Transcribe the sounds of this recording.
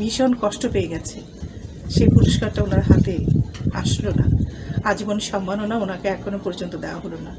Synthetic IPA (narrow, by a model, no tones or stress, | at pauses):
miʃonkɔʃʈopeeɡɛt͡ɕʰe | ʃepuɾoʃkaɾʈaonaɾɦat̪ea̰ʃlona̰ad͡ʑbonʃɔmːanonaonakeɛkʰːonopɔɾd͡ʑont̪od̪eoaɦolona